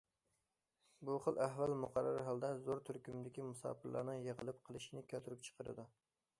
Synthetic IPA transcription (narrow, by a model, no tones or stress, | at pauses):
buχəlˠʔæɦvælmʊqɑɾːɑ̰ɾɦɑlˠd̪ɛzoɾt̪ʰyɾkʲymd̪ɪkʲimusɑ̰ːpɨɾlˠɑ̰ɾnɨŋjəʁəlˠɨp̚qʰəlˠɨʃinɪkʲʰøt̪ʰyɾyp̚t͡ʃʰə̥qʰəɾɨ̰d̪u